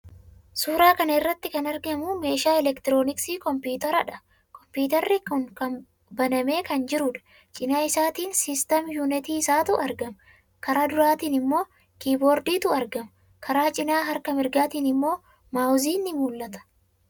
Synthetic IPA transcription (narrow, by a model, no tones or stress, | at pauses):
suːɾaːkɐnɐɪrːɐt̪ːɪkɐnɐɾɡɛmʊme̞ːʃaːɛlɛkt̪ɪɾo̞ːnɪksiːkɔmpjuːt̪ɐɾɐᶑɐ | kɔmpuːt̪ɐɾːikʊŋkɐn | bɐnɐme̞ːkɐnd͡ʒɪɾʊᶑɐ̥ | t͡ʃʼɪnaːɪsaːt̪iːnsɪst̪ɐmjunɪt̪iːɪsaːt̪ʊʔɐɾɡɐmɐ | kɐɾaːd̪ʊɾaːt̪iːnɪmːo̞ː | kiːbo̞ːɾd̪iːt̪ʊɐɾɡɐmɐ | kʰɐɾaːt͡ʃʼɪnaːɦɐɾkɐmɪɾɡaːt̪iːnɪmːo̞ː | maːwziːnːɪmuːlːɐt̪ɐ̥